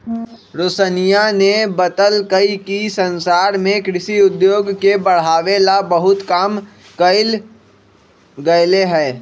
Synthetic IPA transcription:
ɾosənijanebət̪əlkəikisə̃nsaːɾmẽkɾɪʃiʊd̪joːɡkebəɽ̤aːʋelabəɦʊt̪kaːm | kəɪl | ɡəleɦɛː

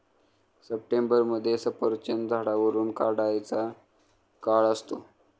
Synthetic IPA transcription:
səp̚ʈembəɾməd̪ʱːjesəpəɾt͡ɕənd̪ʱaɽaʋəɾuːnkaɽajt͡sa | kaɭəst̪o

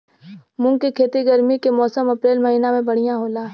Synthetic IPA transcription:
mʊ̃kekʰeːt̪iɡəɾmikemɔːsəmɐpɾeːlmɐɦiːnamẽbɐɽ̤ijãɦoːla

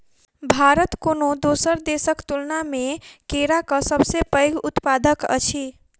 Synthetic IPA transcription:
bʱaɾət̪konod̪osəɾd̪esəkt̪ulnamekeɾakəsəbsepəjɡut̪pad̪əkə̰t͡ʃʰi

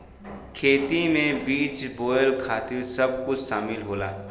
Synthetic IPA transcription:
kʰeːt̪imẽbiːt͡ʃboːjəlkʰaːt̪ɪɾsɐb̚kʊt͡ʃʰʃaːmɪlɦoːla̰ː

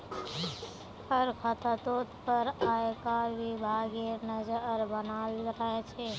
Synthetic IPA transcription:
həɾkʰət̪ʰət̪oːt̪pəɾaːekaʋibʱaːɡenəd͡ʒəɾbənaːlɾəet͡ʃʰe

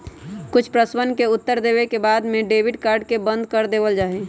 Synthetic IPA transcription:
kʊt͡ʃʰpɾəswənkeʊt̪ːəɾd̪eːbekebaːd̪mẽɖeːbɪɖkaːɾɖkebə̃nd̪̚kəɾd̪eːbəld͡ʒaːɦe

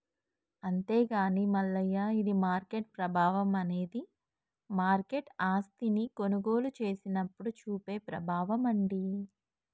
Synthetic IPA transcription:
ɐnt̪e̞ːɡaːnimɐlːɐjːaid̪imaːɾkeʈ̚pɾɐbʱaːʋɐmɐne̞ːd̪i | maːɾke̞ʈaːst̪iniko̞nuɡo̞ːlut͡ʃe̞ːsinɐpːuɽut͡ʃuːpe̞ːpɾɐbʱaːʋɐmɐɳɖi

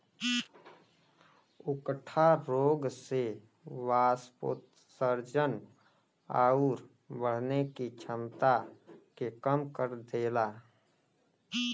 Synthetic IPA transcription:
ʊkʈʰaɾoːɡse | waːspo̰t̪ | səɾd͡ʒən | a̰ːuɾ | bəɽ̤nekit͡ʃʰəmt̪akekəmkəɾd̪eːla

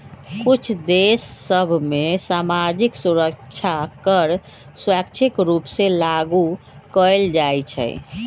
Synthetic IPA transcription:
kut͡ʃʰd̪esːəbʱmesamad͡ʒiksuɾəkt͡ʃʰakəɾ | sakt͡ʃʰikɾupselaɡu | kəjld͡ʒajt͡ʃʰɛ̰j

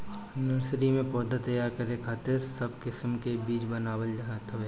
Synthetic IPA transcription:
nəɾsɾimẽpɔːd̪ʱat̪ɐjaːɾkɐɾekʰaːt̪ɪɾsɐbkɪsəmkebiːt͡ʃbənaːwəld͡ʒɐɦət̪ɦʊeː

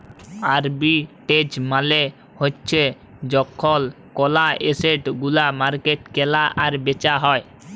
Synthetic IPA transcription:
aɾbiʈed͡ʑmale | hoːt͡ɕʰe | d͡ʑɔkʰːɔl | kɔlaeseʈɡulamaɾkeʈkɛlaʔaɾbet͡ɕaɦɔe

